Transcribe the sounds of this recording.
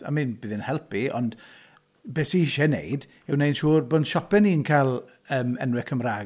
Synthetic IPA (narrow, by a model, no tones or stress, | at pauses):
a̰miːnbɨːðɪnhɛlˠpiɔ̰nd̥ | beːsiʃɛnḛjd | ɪwnejnʃuːrboːnʃɔpɛniːnkʰalˠ | əːmɛnwɪkʰəmraː